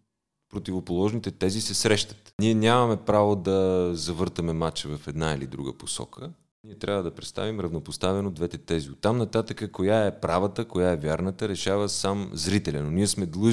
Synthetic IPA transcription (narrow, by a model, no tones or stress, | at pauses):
pɾot̪ivopolˠɔʒnit̪ɛt̪ɛzisɛsɾɛʃt̪ə̥t̪niɛnʲamɐmɛpɾavod̪ɐzɐvɤɾt̪əmɛmat͡ʃɛvɐfɛd̪nailḭd̪ɾṵɡə̰posɔ̰kʰə | niɛt̪ɾʲavəd̪ɐpɾɛt̪st̪a̰vimɾɐvnopost̪avɛnod̪vɛt̪ɛt̪ɛziot̪ːamnɐt̪at̪əkəkojaɛpɾavət̪əkojaɛvjaɾnət̪əɾɛʃavəsamzɾit̪ɛlʲɐnoniɛsmɛd̪lˠɤʒ